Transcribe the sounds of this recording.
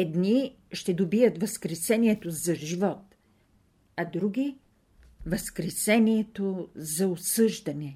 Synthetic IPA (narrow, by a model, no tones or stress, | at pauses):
ɛd̪ni | ʃt̪ɛd̪obiət̪vɐskɾɛsɛniɛt̪ozɐʒivɔt̪ | ɐd̪ɾuɡʲi | vɐskɾɛsɛniɛt̪ozɐosɤʒd̪ɐnɛ